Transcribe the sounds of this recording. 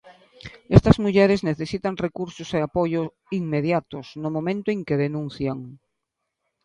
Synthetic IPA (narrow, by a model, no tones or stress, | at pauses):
est̪ɐzmuʎɛɾɪzneθesit̪aŋrekuɾsʊseapoʎo | iŋmeðjat̪ʊsnʊmõmẽnt̪oẽŋkeðenũn̟θjaŋ